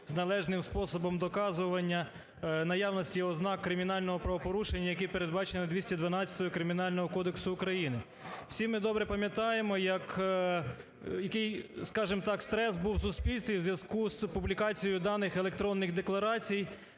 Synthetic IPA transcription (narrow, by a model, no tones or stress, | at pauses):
znɐlˠɛʒnɪmspɔsɔbɔmd̪ɔkɑzʊʋɐnʲːɐ | nɐjɑwnɔsʲtʲiɔznɑkːɾɪmʲinɑlʲnɔɦɔpɾɐʋɔpɔɾuʃenʲːɐjɐkipe̞ɾed̪̚bɑt͡ʃenɪnɐd̪ʲʋʲisʲtʲɐd̪ʋɐnɑt͡sʲɐ̥t̪ɔjʊkɾɪmʲiɪnɑlʲnɔɦɔkɔd̪eksʊːkɾɐjinɪ | w̥sʲimːɪd̪ɔbɾɛpɐmʲjɐt̪ɑjemɔjɐk | jɐkɪjskɑʒɪmt̪ɑkst̪ɾɛsbuwsʊsʲpʲilʲst̪ʋʲiwzʲʋjɐzkuzpublʲikɑt͡sʲijʊd̪ɑnɪxelek̚t̪ɾɔnːɪxd̪eklˠɐɾɑt͡sʲij